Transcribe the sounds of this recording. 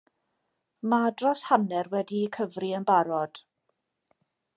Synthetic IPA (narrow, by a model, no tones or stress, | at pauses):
madrɔshanɛrwɛdiːkʰəvriənbaɾɔd̥